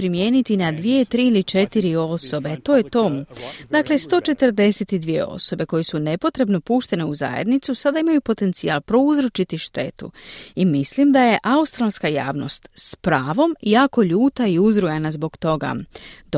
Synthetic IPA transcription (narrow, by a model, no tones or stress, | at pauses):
pɾimje̞ːnit̪inad̪ʋije̞t̪ɾiːilit͡ʃe̞t̪iɾio̞so̞be̞t̪o̞ːje̞t̪o̞md̪akle̞st̪o̞t͡ʃe̞t̪əɾd̪e̞set̪id̪ʋije̞̰o̞̰so̞be̞ko̞jesune̞po̞t̪ɾe̞bno̞puːʃt̪e̞neuza̰jḛd̪nit̪susad̪aimajupo̞t̪e̞nt̪sialpɾo̞uzɾot͡ʃit̪iʃt̪e̞t̪ṵimislimd̪aje̞ʔaust̪ɾalˠskaja̰ːʋno̞̰st̪spɾaːʋo̞mjaːko̞ʎuːt̪aiuzɾujanazbo̞ɡt̪o̞ɡa̰d̪